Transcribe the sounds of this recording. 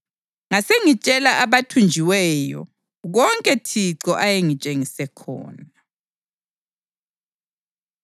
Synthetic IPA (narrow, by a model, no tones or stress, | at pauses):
ŋaseŋit͡ʃʼɛlaʔaβatʰund͡ʒʱiwɛjɔ̰ | ɣɔŋkʼɛtʰiǀɔʔajeŋit͡ʃʼeŋisɛkʰɔ̰ːna